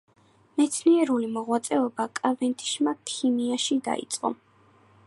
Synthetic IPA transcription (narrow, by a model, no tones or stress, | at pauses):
mɛt̪sʰniɛɾulimɔʁwat̪sʼɛɔbakʼavɛnt̪ʰʼi̥ʃmakʰimiaʃid̪a̰ḭt̪sʼqʼɔ̰